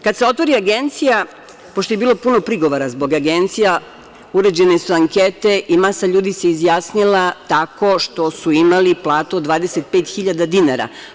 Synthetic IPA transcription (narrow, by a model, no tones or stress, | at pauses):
kad̪seo̞t̪ʋo̞ɾiaɡent̪sija | poʃ̬t̪ojebiːlˠo̞puno̞pɾiɡo̞ʋoɾazbo̞ɡaɡe̞nt̪sija | uɾed͡ʑe̞nesuaŋket̪e̞ʔimasaʎuːd̪iseizjasnilˠat̪ako̞ʃt̪o̞suimaliplˠaːt̪uod̪ʋaːd̪e̞se̞t̪̚pe̞ːt̪xiʎad̪ad̪inaɾa̰